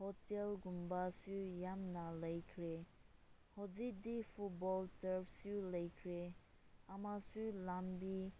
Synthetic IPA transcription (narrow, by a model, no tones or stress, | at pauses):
hotɛlɡumbasujamnalejkʰɾe | hozid̪ifʰut̚bɔltəpsulejkʰɾe | ʔamasulampi